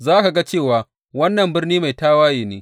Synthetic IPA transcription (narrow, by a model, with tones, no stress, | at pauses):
zaː˦ka˨ɡa˦t͡ʃeː˦˨waː˨ | wɐ˦nːɐ˨mbɪ˦rniː˦ma˨jtaː˦waː˦jeː˨neː˦